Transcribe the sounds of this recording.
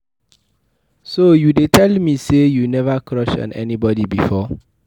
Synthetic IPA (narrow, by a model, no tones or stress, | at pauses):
sojudetʰɛlmisejunɛvakʰɹɔʃɔ̰̃nɛ̰nibɔdibifɔ